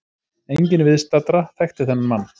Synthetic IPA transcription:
ejɲcɪnvɪðst̪at̪ɾaθɛxt̪ɪθɛnːamanː

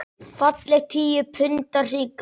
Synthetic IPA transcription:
fat̪lɛxt̪ʰiːjʏpʰʏnt̪ar̥iːk

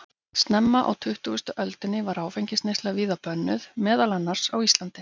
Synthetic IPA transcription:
st̪nɛmːaʔa̰wt̪ʰʏht̪uʏst̪ʏʔœlt̪ɪnːɪvaɾaːwfejɲcɪst̪nejst̪laviːðapœnːʏðmɛːðalɛnːaɾ̥sawist̪lant̪ɪ̥

